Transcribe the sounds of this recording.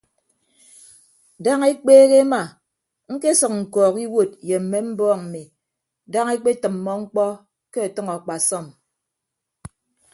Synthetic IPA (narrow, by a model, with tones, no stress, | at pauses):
da˦ŋe˦k͡peː˦ɣe˦ma˨ | ŋ̩˦ke˦sɨ˨k̚ŋ̩˨kɔː˨ki˦wo˦˨t̚je˨m̩˨mːe˦m̩˦bɔː˦ŋm̩˨mi˨ | da˦ŋe˦k͡pe˦tɨ˨mːɔ˦ŋ͡m̩˦k͡pɔ˦ | ke˦a˨tʌ˦ŋɔ˨k͡pa˨sɔ˦˨m